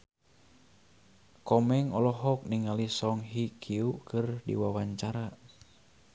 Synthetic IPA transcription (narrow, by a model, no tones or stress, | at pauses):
kɔmɛŋɔlɔɦɔk̚niŋalisɔŋɦikʰiukɨrdḭwawaɲt͡ʃaɾa